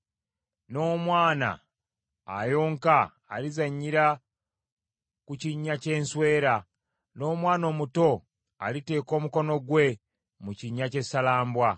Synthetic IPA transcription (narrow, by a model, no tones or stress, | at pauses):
no̞ːmwaːna̰ː | jo̞ːŋkaː | lizaɲːiɾa | kuciɲːace̞ːnswe̞ːɾa | no̞ːmwaːno̞ːmuto̞ | a̰lite̞ːko̞ːmuko̞no̞ɡwe̞ | muciɲːace̞salaːmbwa